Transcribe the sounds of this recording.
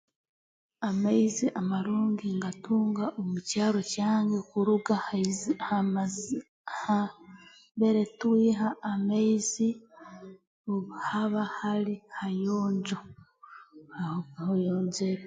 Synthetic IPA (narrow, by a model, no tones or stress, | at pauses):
amaiziʔamaɾuːŋɡiŋɡatuːŋɡaʔomucaːɾo̞caːŋɡekuɾuɡaha | ha | mbe̞ɾetuwiːɦaːmaizi | haβahaɾihajoːɲd͡ʒo | ahojoːnzek